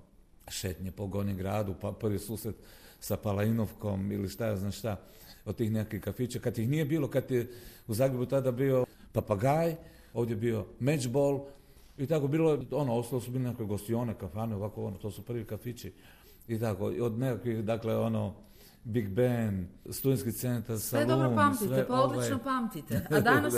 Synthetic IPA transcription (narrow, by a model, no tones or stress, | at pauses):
ʃet̪ɲepo̞ɡoniɡɾaːd̪upapr̩ʋisuːsɾed̪sapalainoʋko̞miliʃt̪ajaznaʃt̪a | ot̪iːxnekakʋixkːafit͡ʃakad̪jixnije̞biːlo̞kat̪euzaːɡɾe̞but̪ad̪abio̞papaɡaːj | o̞ːʋd̪jeebio̞me̞d͡ʒbolˠ | it̪ako̞biːloeo̞noost̪alosubilenekakʋeɡost̪io̞ːnekafaneo̞ʋakoonot̪o̞ːsupr̩ʋikafit͡ʃi | it̪ako̰ḭod̪nekakʋixd̪akleo̞no | biɡbenst̪ud̪enskit̪se̞nt̪aɾsalˠoumpamsisʋeʔpoolianopamt̪it̪ed̪n